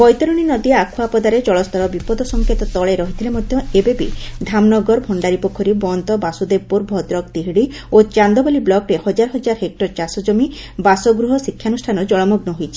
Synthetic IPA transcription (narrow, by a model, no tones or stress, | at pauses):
bɔjt̪ɔɾɔɽ̃inɔd̪iakʰuapɔd̪aɾed͡ʒɔɭɔst̪ɔɾɔbipɔd̪ɔsɔŋkʰet̪ɔt̪ɔɭeɾɔɦit̪ʰilemɔd̪ʱjɔebebḭd̪ʱamnɔɡɔɾbʱɔɳɖaɾipɔkʰːɔɾibɔnt̪ɔbasud̪epuɾbʱɔd̪ɾɔk̚t̪iɦiɽi | ot͡ʃand̪ɔbaliblɔkɾehɔd͡ʒaɾɔɦɔd͡ʒaɾɦek̚ʈɔɾt͡ʃasɔd͡ʒɔmi | basɔɡɾuɦɔsikʰːjanusʈʰanɔd͡ʒɔɭɔmuɡnɔɦojt͡ʃʰi̥